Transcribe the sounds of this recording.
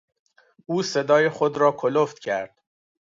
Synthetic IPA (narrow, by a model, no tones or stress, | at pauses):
ʔuːse̞d̪ɒːjexod̪ɾɒːkʰoloft̪cʰæɾd̪̥̚